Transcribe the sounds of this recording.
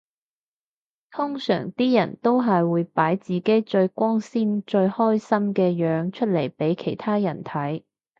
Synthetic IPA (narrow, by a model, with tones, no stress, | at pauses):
t̪ʰʊ˥ŋsœ̰ː˨˩ŋt̪iː˥jɐ˨˩nt̪o˥wɦɐ˨jwuː˨˧jpaː˨˥jt͡siː˨˩ke˨˥jt͡ʃɵ˧ɥkʷɔː˥ŋsiː˥nt͡ʃɵ˧ɥhɔː˥jsɐ˥mkɛː˧jœː˨˧˥ŋt͡ʃʰɵ˥t̚le˨˩jpe˨˥jkʰe˨˩jt̪ʰaː˥jɐ˨˩nt̪ʰɐ˨˥j